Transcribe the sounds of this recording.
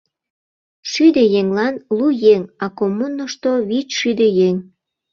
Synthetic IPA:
ʃyd̪ejeŋlɑnlujeŋɑkomunːoʃt̪oβit͡ɕʃyd̪ejeŋ

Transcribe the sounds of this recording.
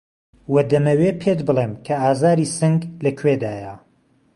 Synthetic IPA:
wɐd̪ɐmɐwepʰet̪bɨlˠeːmkʰɐaːzaːɾiːsɨŋɡlɐkʰwed̪aːja

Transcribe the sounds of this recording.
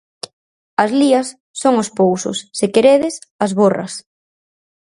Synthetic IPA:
ɐzliɐsː | oŋʊspowsʊ̰sːɪkeɾeðɪs | ɐzβorɐ̰s

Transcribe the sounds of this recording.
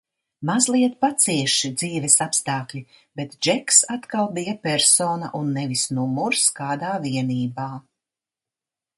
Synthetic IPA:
mazlˠiɛt̪̚pat̪siɛʃid̪ziːvɛsapst̪aːklʲi | bɛt̪d͡ʒɛksat̪kalˠbijɐpɛɾsoːna̰ʔunːɛvisnumuɾskaːd̪aːviɛniːbaː

